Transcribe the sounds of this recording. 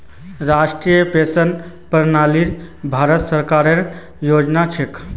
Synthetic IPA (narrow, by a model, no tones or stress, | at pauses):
ɾasʈɾijəpesən | pəɾnaliɾ | bʱaɾət̪səɾkaɾəɾ | jod͡ʒnat͡ʃʰek